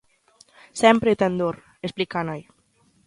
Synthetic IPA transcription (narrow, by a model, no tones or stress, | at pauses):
sɛmpɾet̪end̪oɾ | esplikanaj